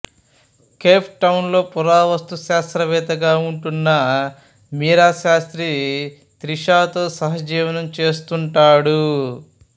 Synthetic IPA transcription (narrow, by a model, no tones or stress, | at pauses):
keːpʰʈɐwnlo̞ːpuɾaːʋɐst̪uʃaːst̪ɾɐʋɛːt̪ɐɡaːuɳʈunːɐ | miːɾaːʃaːst̪ɾi | t̪ɾiʃaːt̪o̞ːsɐɦɐd͡ʒiːʋɐnɐmt͡ʃe̞ːst̪uɳʈaːɽu